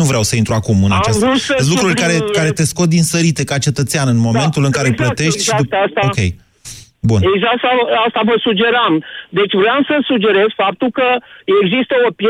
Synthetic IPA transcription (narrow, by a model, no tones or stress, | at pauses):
uvɾeawsəint̪ɾuakumɨnat͡ʃastuəlukkɾurʲkaɾekaɾe̞t̪e̞sko̞d̪insəɾit̪e̞kat͡ʃe̞t̪ət̪seanɨnmo̞me̞nt̪ulɨŋkaɾeplət̪e̞ʃt̪ʲʃast̪aokʲe̞̰j | buneɡzaksaast̪avəsud͡ʒe̞ɾamd̪e̞t͡ʃʲvɾoamsəsud͡ʒe̞ɾe̞zfap̚t̪ulkəeɡzist̪əopje